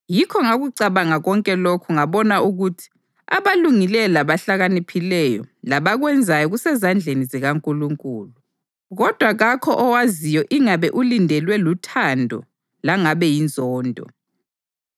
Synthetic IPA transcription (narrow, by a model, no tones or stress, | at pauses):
jikʰɔŋaɣuǀaβaŋaɣɔŋkʼɛlokʰuŋaβɔnauɣutʰi̥ | a̰βaluŋilɛlaβaɬaɣanipʰilɛjɔlaβaɣwɛnd͡zʱajɔɣusɛzand͡ɮʱeniziɣaŋkʼuluŋkʼuːlu | ɣɔd̥ʱwaɣakʰɔʔɔwazijɔʔiŋaβɛʔulindʱɛlwɛlutʰandʱɔ̰ | laŋaβɛjind͡zʱɔːndʱɔ̰